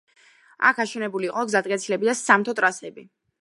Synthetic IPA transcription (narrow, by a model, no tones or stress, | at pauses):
a̰kʰaʃɛnɛbuliːqʼɔɡzat̪ʼkʼɛt̪sʰilɛbid̪asamt̪ʰɔt̪ʼɾasɛbi